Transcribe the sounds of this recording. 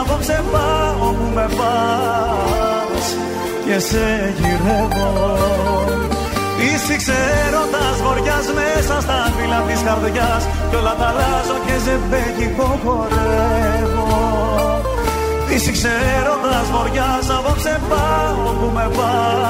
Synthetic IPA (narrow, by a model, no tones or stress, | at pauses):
voksebɐopume̞vɐ | s | cese | ʝiɾevo | isikseeɾo̞nd̪ɐzɣo̞ɾʝɐzmesɐst̪ɐfilɐt̪isxɐɾðʝɐs | colɐt̪ɐlɐzocezebeʝikoxo̞ɾevo | isikseɾo̞nd̪ɐzɣo̞ɾʝɐsɐvoksepɐ | opume̞vɐ